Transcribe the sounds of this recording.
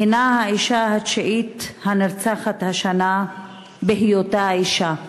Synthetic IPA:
hinahaiʃahat͡ʃaʔit̪hanaɾt͡saχat̪haʃana | behijot̪aiʃa

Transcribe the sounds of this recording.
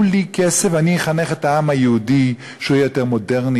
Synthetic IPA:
likesevanieχaneχet̪aamajeudi | ʃeujajoteʁmodeʁni

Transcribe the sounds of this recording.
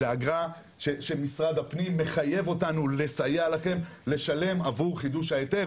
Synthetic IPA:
eaɡʁa | ʃeʃemisʁad̪hapnimːe̞χaje̞vo̞tanule̞sajalaχe̞m | le̞ʃale̞mavuʁχid̪uʃhaet̪e

